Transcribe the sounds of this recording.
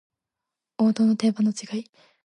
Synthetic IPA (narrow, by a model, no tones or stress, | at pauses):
o̞ːt̪oːno̞t̪e̞banot͡ɕiɡai